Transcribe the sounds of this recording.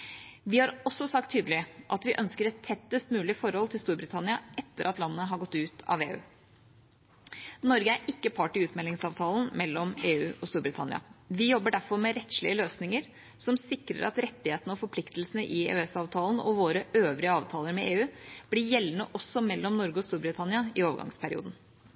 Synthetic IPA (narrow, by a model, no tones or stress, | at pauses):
ʋɪhɑɾɔsːɔsɑk̚t̪ʰːyːd̪əlɪʔɑt̪ʋɪʔœnskəɾɛt̪ʰːɛt̪ːəst̪mʉːlɪfɔɾhɔlt̪ʰɪlst̪uːɾbɾɪt̪ʰɑnɪɑʔɛt̪ːəɾʔɑt̪lɑnːəɦɑɾɡɔt̪ːʉːt̪ʰɑ̰ʋḛːʉ̰ː | nɔɾɡəæɾʔɪkːəpʰɑʈːɪʉːt̪mɛlːɪŋsɑːʋt̪ʰɑːlənmɛlːɔmeːʉːɔst̪uːɾbɾɪt̪ʰɑ̰nɪ̰ɑ̰ʋɪjɔbːəɖæɾfɔɾmɛɾɛt̪ʂlɪ̰əløːsnɪŋəɾ | sɔmsɪkɾə̰ɾʔɑ̰t̪ɾɛt̪ːɪheːt̪nəɔfɔɾpʰlɪkt̪l̩sənəʔɪḛːʉɛsɑːʋt̪ʰɑːlən̩ɔ̰ʋoːɾəøːʋɾɪəɑːʋt̪ʰɑːləɾmɛeːʉːb̥lɪjɛlːnəʔɔsːɔmɛlːɔmnɔɾɡəɔst̪uːɾbɾɪt̪ʰɑnɪɑɪoːʋə̰ɡɑ̰ŋspʰæɾɪ̰ṵːd̪n̩